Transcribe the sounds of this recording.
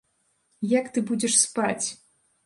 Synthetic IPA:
jakt̪ɨbud͡zʲɛʂspat͡sʲ

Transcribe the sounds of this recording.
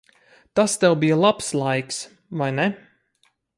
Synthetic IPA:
t̪ast̪ɛwbijalˠapslˠajks | vajnɛ

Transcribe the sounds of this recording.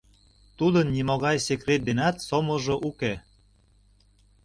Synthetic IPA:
t̪ud̪ənːimoɣɑjsekret̪̚d̪enɑt̪somoʒoʔuke

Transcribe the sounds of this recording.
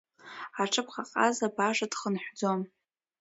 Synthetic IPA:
aʈ͡ʂʰɨpʰχaqʼazabaʐadχənħʷd͡zo̞m

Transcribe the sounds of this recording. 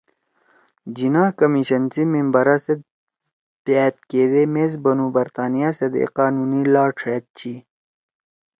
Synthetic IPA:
d͡ʑinaːkɐmiɕɐnsimimbɐɾase | b̪̥aːt̪̚keːd̪emeːzbɐnuːbɐɾt̪aːnijasɐd̪ḛqaːnuːnilaːʈʰeːt̪̚t͡ɕʰi

